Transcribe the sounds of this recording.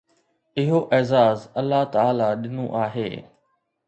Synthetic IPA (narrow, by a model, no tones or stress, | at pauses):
ɪɦoʔɛːzaːzɐlːat̪aːlaɗɪnṵ̃ʔaːɦḛː